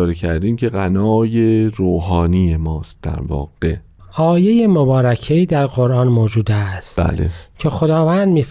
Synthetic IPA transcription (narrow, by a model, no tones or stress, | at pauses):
ɾecʰæɾd̪iːmcʰe̞ɣænɒːjeɾoːɦɒːnijemɒːst̪̚d̪æ̰ɾvɒ̰ːɢ̥e | ʔɒːje̞jemobɒːɾæcʰeiːd̪æɾɢoɾʔɑːnmoːd͡ʒuːd̪æst̪æ̰ːlḛcʰe̞xo̞d̪ɒːvænd̪miːf